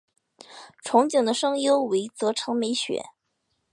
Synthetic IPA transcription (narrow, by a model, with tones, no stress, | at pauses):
ʈ͡ʂʰʊ˧˥ŋt͡ɕjo˨˩ŋd̪ə˦ʂɤ˥ŋjo˥ʊwe˧˥ɪt͡sɤ˧˥ʈ͡ʂʰɤ˧˥ŋme˧˥ɪɕɥɛ̰˨˩˦